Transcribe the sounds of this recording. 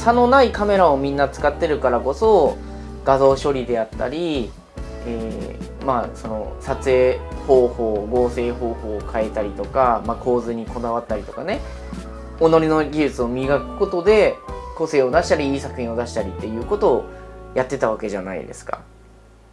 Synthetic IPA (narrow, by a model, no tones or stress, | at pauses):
sano̞naikame̞ɾao̞mʲĩnːat͡sɨ̥kat̪ːe̞ɾɯ̟kaɾako̞so̞ | ɡ̥azo̞ːɕo̞ɾʲid̪e̞at̪ːa̰ɾʲi | eː | maso̞no̞sat͡sɨe̞ːho̞ːho̞ːɡo̞ːse̞ːho̞ːho̞ːkʰae̞t̪aɾʲit̪o̞kamako̞ːzɨɲ̟iko̞d̪aβ̞at̪ːaɾʲit̪o̞kane̞ | o̞no̞ɾʲino̞ɡʲiʑɨt͡sɨo̞mʲiɡakɯ̟̥ko̞t̪o̞d̪e̞ko̞se̞ːo̞d̪aɕi̥t̪aɾʲiiːsakɯ̟çʲĩo̞d̪aɕi̥t̪aɾʲit̪ːe̞jɯ̟ːko̞t̪o̞ːjat̪ːe̞t̪aβake̞ʑana̰ḭd̪e̞̰sɨ̥ka̰